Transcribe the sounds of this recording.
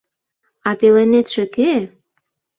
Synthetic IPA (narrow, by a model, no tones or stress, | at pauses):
ɑpelenet̪ʃĕke